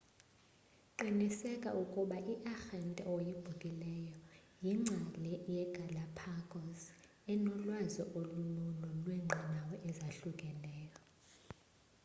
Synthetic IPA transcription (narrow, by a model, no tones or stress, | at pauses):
ǃinisɛkʼa̰ʔukʼuɓaʔiʔaxɛntʼɛ̰ojib̥ʱukʼilɛjɔjiŋ͡ǁʱalɛjɛɡ̥ʱalapʰakʰʼɔs | ɛnɔlwazɔʔolumunulwɛŋ͡ǃʱanawɔʔɛzaɬukʼɛlɛːjɔ